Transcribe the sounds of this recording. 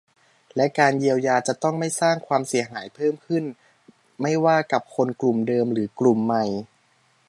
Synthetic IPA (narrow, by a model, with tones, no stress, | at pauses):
lɛ˦˥kaː˧nji˧əwjaː˧t͡ɕa˨˩t̪ɔ˥˩ŋma˥˩jsaː˥˩ŋkʰwaː˧msi˩˦ɦaː˩˦jpʰɤː˥˩mkʰɯ˥˩n | ma˥˩jwaː˥˩ka˨˩p̚kʰo˧nklu˨˩mdɤː˧mɾɯː˩˦klu˨˩mːa˨˧˩j